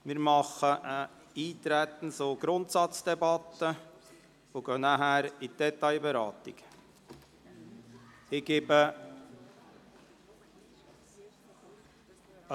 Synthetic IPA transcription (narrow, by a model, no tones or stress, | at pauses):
mɪːɾmɑχəə | iːt̪ɾæt̪ən̩soɡ̥ɾʊnt̪sɑt͡sd̥̪ɛbɑt̪ːə | voɡœːnæɦæːɾid̥ɛt̪aɪbɛɾɑ̰ːt̪ɪ̰ɡ̥ | ɪɡ̥eːbə